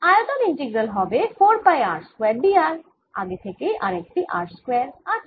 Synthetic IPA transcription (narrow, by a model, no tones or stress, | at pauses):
ajot̪oniɳʈeɡɾəlɦɔbefoɾpajaɾskweɾɖiaɾ | a̰ɡet̪ʰekeʔaɾek̚ʈiʔa̰ɾskweɾaɾ